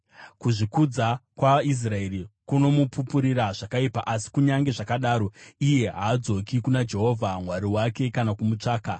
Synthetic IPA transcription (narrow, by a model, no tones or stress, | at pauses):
kuʐikud͡zakwais̬rae̞rikuno̞mupupuɾiɾaʐakaipaʔasi̥kuɲaŋɡe̞ʐakaɗaːɾo̞ije̞ɦaːd͡zo̞kikunad͡ʒe̞ɦo̞vʱamwaɾiwake̞kanakumut͡ʂaːka